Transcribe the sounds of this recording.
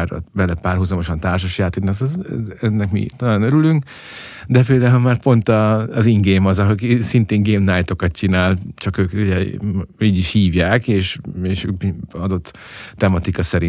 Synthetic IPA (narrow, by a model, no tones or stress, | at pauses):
r̰bɛlɛpaːrɦuzɒmo̞ʃɒnt̪aːrʃ̬oʃjaːt̪eːk̪nisɛzɛnːɛkmḭt̪olanøɾylyŋk | d̪ɛpeːld̪aːulmaːrpo̞nt̪ɒːziŋɡeːmɒzɒɦkisint̪eːŋɡeːmnajt̪o̞kɒt̪t͡ʃinaːlt͡ʃɒkøːkuɟɛiːɟiʃhiːvjaːkeːʃeːʃøːkbɒd̪o̞t̪ː | ɛmɒt̪ikɒsɛɾi